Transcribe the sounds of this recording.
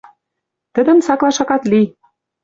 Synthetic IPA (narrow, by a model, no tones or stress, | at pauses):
t̪ə̆d̪ə̆msɑklˠɑʃɑkɑt̪li